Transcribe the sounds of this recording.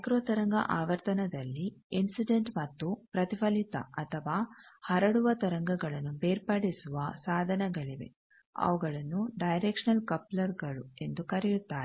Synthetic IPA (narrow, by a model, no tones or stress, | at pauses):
sɐkɾoːt̪ɐɾɐŋɡɐ̰ʔaːʋɐɾt̪ɐnɐd̪ɐlːiinsiɖeɳʈmɐt̪ːupɾɐt̪ipɐlit̪ɐ̰ɐt̪ʰɐʋaːhɐɾɐɽuʋɐt̪ɐɾɐŋɡɐɡɐɭɐnːubeːɾpɐɽisuʋɐsaːd̪ʱɐnɐɡɐɭiʋe̞̰ | ɐ̰ʋɐɡɐɭɐnːuɖɐjɾekʂɐnɐlkɐplɐɾɡɐɭue̞nd̪ukɐɾijut̪ːaːɾe